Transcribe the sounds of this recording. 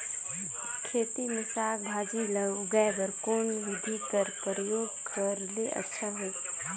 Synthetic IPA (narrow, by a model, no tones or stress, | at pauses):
kʰeːt̪imɪsaːkbʱaːd͡ʒiləɡaebəɾkoːnʋɪd̪ʱikəɾpɾjoːɡ | kəɾleʔɐ̰tːʃʰaɦeː